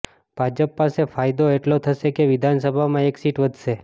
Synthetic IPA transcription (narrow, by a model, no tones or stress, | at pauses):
b̥ʱad͡ʒəpːasefajd̪oeʈlot̪ʰəʃekeʋɪd̪ʱansəbʱamãeksiʈʋəd̪ʱʃe